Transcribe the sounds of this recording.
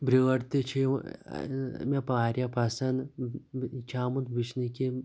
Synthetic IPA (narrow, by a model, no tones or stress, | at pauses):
bɾiwɐɾt̪it͡ʃʰḭ | mepaːɾjɐpɐsɐn | t͡ʃʰaːmund̪bit͡ʃniki